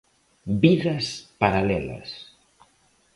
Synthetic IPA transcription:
biðɐspaɾalɛlɐ̰s

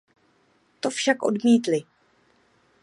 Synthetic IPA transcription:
t̪o̞fʃakʔo̞̰dmiːt̪lɪ

